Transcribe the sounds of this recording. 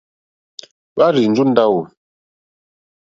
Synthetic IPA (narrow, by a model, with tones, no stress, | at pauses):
ɓa˦ɾi˨n̩˨d͡ʒu˦n̩˦da˦wu˨